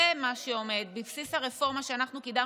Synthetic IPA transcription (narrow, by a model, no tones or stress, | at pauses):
emaʃeo̞me̞d̪bifsisaʁefo̞ʁmaʃeanaχnukid̪a